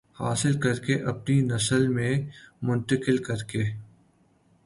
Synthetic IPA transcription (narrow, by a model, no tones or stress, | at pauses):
haːsɪlkɐɾkeʔɐp̚ninɐsəlmẽmʊ̃nt̪əkɪlkɐɾkeː